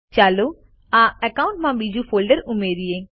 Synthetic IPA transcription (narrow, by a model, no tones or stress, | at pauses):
t͡ʃaːloː | aːɛkaʊ̃ɳʈmãːbid͡ʒuːpʰoːlɖəɾʊmeːɾieː